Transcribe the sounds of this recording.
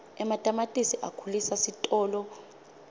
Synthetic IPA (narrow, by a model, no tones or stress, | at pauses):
ɛmatʼamatʼisiʔakʰulisasitʼɔːlɔ